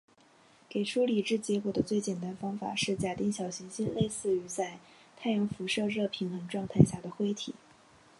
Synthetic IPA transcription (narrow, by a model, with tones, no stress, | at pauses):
ke˨˩ɪʈ͡ʂʰu˥li˨˩ʈ͡ʂɻ̩˥˩t͡ɕjɛ˧˥kwɔ˨˩d̪ə˦t͡swe˥˩ɪt͡ɕjɛ˨˩nt̪a˥nfɑ˥ŋfa̰˨˩ʂɻ̩˥˩t͡ɕja˨˩t̪i˥˩ŋɕjɑ˨˩ʊɕi˧˥ŋɕi˥nle˥˧ɪsɹ̩˥˩y˧˥t͡sa˥˧ɪ | t̪ʰa˥˩ɪjɑ˧˥ŋfu˧˥ʂɤ˥˧ɻɤ˥˧pʰi˧˥nxə˧˥nʈ͡ʂwɑ˥˧ŋt̪ʰa˥˧ɪɕja˥˩d̪ə˩xwe˥ɪt̪ʰi˨˩˦